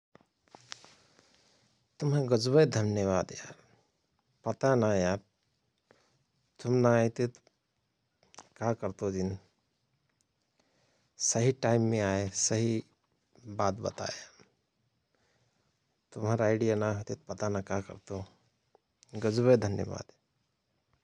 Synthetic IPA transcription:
t̪umɦə̃ɡəd͡ʒbəjd̪ʱənjəβad̪ja | pət̪anaja | t̪umnajt̪it̪ | kakəɾt̪od͡ʒin | səɦiʈaimːẽaesəɦi | bat̪bə̰t̪a̰ja | t̪umɦaɾaɪɖijanaɦot̪it̪pɐt̪anakakə̰ɾt̪o | ɡəd͡ʒbəjd̪ʱənjəba̰ːd̪

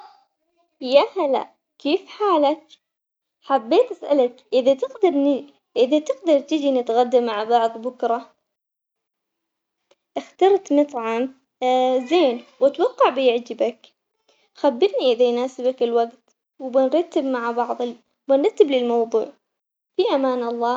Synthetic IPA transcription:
jahala̰ | keːfħaːlak̚ | ħabːeːt̪ʔasʔalakʔɪðat̪ɪɡd̪ɑɾˤn | ʔɪðat̪ɪɡd̪ɑɾˤt̪ɪd͡ʒinɪt̪ɣad̪ːamaʕbɑʕðˤbʊkɾˤɑ | ʔɪxt̪ɑɾˤt̪mʊt̪ˤʕɑm | zeːnwat̪wɑqːɑʕbɪjɪʕd͡ʒɪbak | xabːɪɾniʔɪðajnaːsɪbakɪlwaɡt̪ | wbɪnɾˤɑt̪ːabmaʕabɑʕðˤ | bɪnɾˤɑt̪ːablɪlmɑwðˤuːʕ | fiʔamaːnɑlˤːɑː

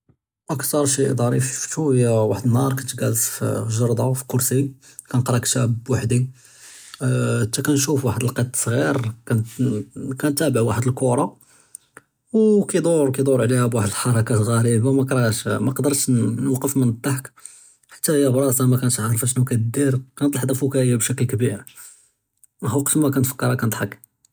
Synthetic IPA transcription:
ʔæksɑɾˤʃiʔd̪ˤɑɾifʃuhəjːæwaħəd̪ənhɑɾˤkænt̪ɡælfʒɑɾˤd̪ˤɑfi̥kʊɾsi | kænqɾˤɑkʃæbwaħd̪i | t̪ːækænʃufwaħəd̪əlqɑt̪ːsˤɣiɾkæn | kænt̪ːæbəʕwaħəd̪əlkʊɾˤɑ | wkæjd̪ˤoɾˤkæjd̪oɾˤʕlihæbwaħəd̪əlħɑɾˤɑkæɣæɾibamækɾˤɑʃmæqd̪əɾˤʃnwɑqəfmənt̪ˤːɑħk | ħḁt̪ːæhjːæbɾˤɑsɑmækænt̪ʕɾˤfæʃnukæt̪d̪iɾkænt̪ˤlɑħd̪ˤæfukæjæbʃæklkbiɾ | ɦuqt̪mækænt̪fə̥kːɑɾˤɑkænət̪ˤħək

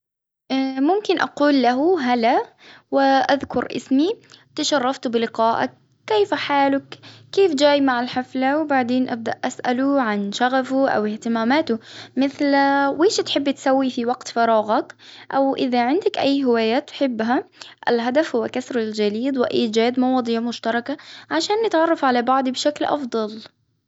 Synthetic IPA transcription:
ʔamʊmkɪnʔɑ̰quːlːaɦʊɦala | wɪʔaðkʊɾʔɪ̰smit̪ɪʃɑrˤːɑft̪bɪlɪqɑːʔa̰kː | eːfaħaːlʊkːeːfd͡ʒaːjmaʕalħaflawbaʕd̪eːnʔab̚d̪aʔʔasʔalʊʕanʃaɣafʊʔa̰wɪht̪ɪmaːmaːt̪ʊmɪθlweːʃt̪ħɪbːt̪sawːifiwaɡt̪fɑɾˤɑːɣɑkʔawʔɪðaʕɪnd̪akʔajːɦɪwaːjaːt̪ːħɪbːɦaʔɪ̰lɦad̪afhʊwːakasɾald͡ʒaliːd̪wɪʔaːd͡ʒaːd̪mɑwɑːd̪ˤɨjamʊʃt̪ɑɾˤɑkaʕaʃaːnːɪt̪ʕɑrˤːɑfʕalabɑʕd̪ˤibɪʃaklʔɑ̰fd̪ˤɑl

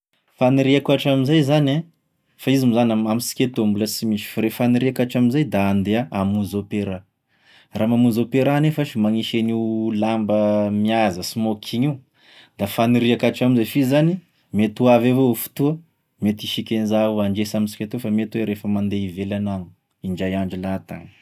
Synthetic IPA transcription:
faniɾiakuaʈ͡ʂamizajzane | faizimizanamamisi̥kʲet̪ombuləsimiʃi̥faɾefaniɾiakaʈ͡ʂaminzajd̪aːnd̪eaamuzopeɾa | ramamuzopeɾanefəʃimaŋiʃeniwlambəmiazəsimokʰiɲiu | d̪afaniɾiakaʈ͡ʂaminzafizani | met̪uavevofu̥t̪uə | met̪iʃikʲenzauaɳɖ͡ʐesaminsi̥kʲet̪ofamet̪weɾefəmand̪eivelananu̥ | iɳd͡ʒajaɳd͡ʒilat̪a̰ni̥

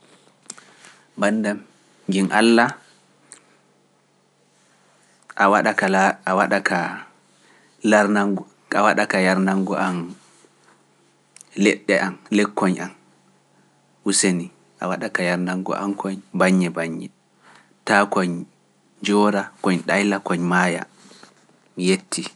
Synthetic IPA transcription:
bandam | ŋɡinʔa̰lːa | ʔawaɗakalaawaɗaka | laɾnaŋɡ | awaɗakajaɾnaŋɡɔʔan | lɛɗːɛʔanlɛkːɔɲʔan | useni | ʔa̰waɗakajaɾnaŋɡɔ̰ʔa̰mkʰɔɲbaɲːɛbaɲːɛ | takɔɲ | d͡ʒɔːɾakɔɲɗajlakɔɲmaːja̰ | mijetʰːi

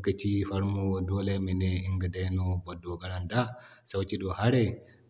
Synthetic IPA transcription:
kat͡ʃifaɾmɔdɔlɛmɛnɛiŋɡadɛjnɔbɔdːɔɡaɾanda | sawt͡ʃiɗɔhaɾɛ

